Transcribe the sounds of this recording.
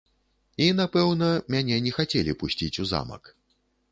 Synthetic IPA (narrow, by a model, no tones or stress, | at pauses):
inapɛwnɐmʲanʲɛnʲɛxat͡sʲɛlʲipusʲt͡sʲit͡sʲuza̰mɐ̰k